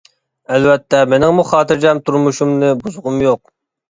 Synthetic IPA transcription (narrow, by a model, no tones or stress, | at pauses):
ælvɛt̪ʰːɛmenɪŋmuχɑːt̪ɨɾd͡ʒɛmt̪ʰuɾmuʃumnɨbuzʊʁʊmjoq̚